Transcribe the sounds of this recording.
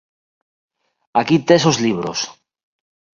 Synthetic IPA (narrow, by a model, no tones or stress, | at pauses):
akit̪esozliβ̞ɾo̰s